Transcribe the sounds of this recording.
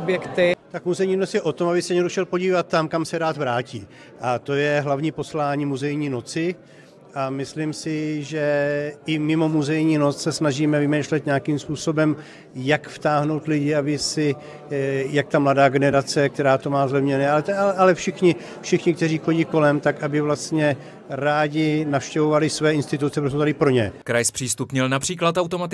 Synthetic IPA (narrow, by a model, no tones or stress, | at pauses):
bjɛkt̪ɪt̪akmuzɛjɲiːnot͡sjɛʔo̞t̪o̞mabɪsɛɲɛdoʃɛlpo̞ɟiːvat̪ːamkamsɛɾaːt̪vɾaːciː | ʔat̪o̞jɛɦlavɲiːpo̞slaːɲiːmuzɛjɲiːno̞t͡sɪ | ʔamɪslimsɪʒɛʔɪmɪmo̞muzɛjɲiːno̞t͡ssɛsnaʒiːmɛvɪmɛjʃlɛt̪ɲakimspuːso̞bɛm | jakft̪aːɦno̞wt̪lɪɟɪabɪsɪ | jak̚t̪amladaːɡɛnɛɾat͡sɛkt̪ɛɾaːt̪o̞maːzlɛvɲɛnɛːalɛt̪ɛʔalɛfʃɪxɲɪ | fʃɪxɲɪk̚t̪ɛriːxo̞ɟiːko̞lɛmt̪akabɪvlast̪ɲɛ | ɾaːɟɪnafʃcɛvo̞valɪsvɛːɪnst̪ɪt̪ut͡sɛpɾot̪̬ot̪adɪpɾo̞ɲɛ̰kɾajspr̥iːst̪upɲɛlnapr̥iːklat̪awt̪omat̪ɪ